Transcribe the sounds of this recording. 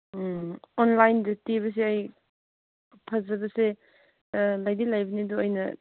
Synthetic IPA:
onlajndɐtiβɐs̬eaj | pʰɐzɐbɐse | lajdilajbɐnidoojnɐ

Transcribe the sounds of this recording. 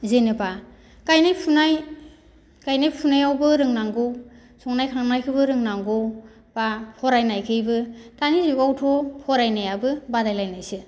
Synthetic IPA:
zenɯpa | kajnajpʰunaj | kajnajpʰunajawbɯɾɯŋnaŋɡow | sʰɔŋnajkʰaŋnajkʰɯbɯɾɯŋnaŋɡow | b̥apʰɔɾajnajkʰɯjbɯtaniziɡawtʰɔpʰɔɾajnajabɯbadajlajnajsɯ

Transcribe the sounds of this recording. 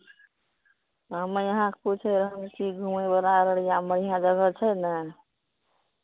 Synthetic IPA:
ɦəmejəɦãkeput͡ʃʰeɾəɦəmkiɡʱumebəlaɾəɽijãməɽ̤ijãd͡ʒəɡət͡ʃʰɛnə

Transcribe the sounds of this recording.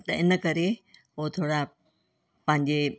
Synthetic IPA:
t̪ɐɪnə̆kɐɾe | oɦot̪ʰoːɽa | pɐ̃ɦɪ̃ɲd͡ʑe

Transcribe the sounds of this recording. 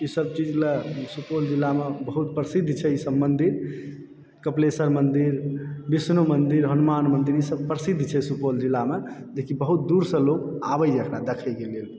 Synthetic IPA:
isəb̚t͡ʃid͡ʒlesupold͡ʒilːamebəɦut̪̚pɾəsid̪ʱt͡ʃʰɛisəbmənd̪iɾ | kəplesəɾmənd̪iɾbisnumənd̪iɾɦənumanmənd̪iɾisəb̚pɾəsid̪ʱt͡ʃʰɛsupold͡ʒilːamed͡ʒekʰibəɦut̪̚d̪uɾsə̃loka̰bəjəkʰɾad̪ekʰəjkelel

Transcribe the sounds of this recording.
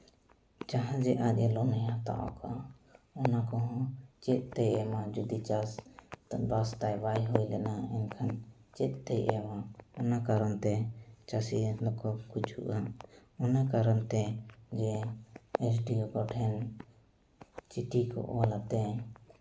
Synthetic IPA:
d͡ʒaɦãd͡ʒɛʔat̪̚ˀɛlɔnɛjãt̪a̰ʔɔ̰kʰaɔnakɔɦɔ̃t͡ʃɛt̪̚ˀt̪ɛjʔɛmad͡ʒud̪it͡ʃas | bast̪ajbajɦujlɛnaɛɲkʰant͡ʃɛt̪̚ˀt̪ɛjʔɛmaɔnakaɾɔnt̪ɛt͡ʃasilɔkʰɔkut͡ʃhṵʔaɔnakaɾɔnt̪ɛd͡ʒɛ | ɛt͡ʃɖiɔɡɔʈʰɛn | t͡ʃiʈikɔ̰ʔwalat̪ɛ

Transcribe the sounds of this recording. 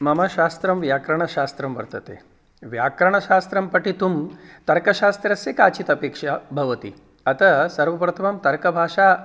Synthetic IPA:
mɐmɐʃast̪ɾɐmʋjakɾɐɳ̃ɐʃast̪ɾɐmʋɐ̰ɾt̪ɐt̪ḛ | ʋjakɾɐɳ̃ɐʃast̪ɾɐmpɐʈit̪umt̪ɐɾkɐʃast̪ɾɐsekaːt͡ɕit̪ɐpeːkʂɐbʱɐʋɐt̪ḭ | ɐt̪ɐsɐɾʋɐpɾɐt̪ʰɐmɐmt̪ɐɾkɐbʱaːʂa

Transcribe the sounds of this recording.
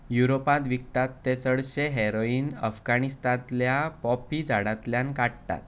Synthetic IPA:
juɾopãt̪ʋik̚t̪at̪ːet͡səɽɕeɦeɾoiːnə̰fɡanist̪ãt̪ljapɔpid͡zaɽãt̪ljãnkaɽt̪a̰t̪

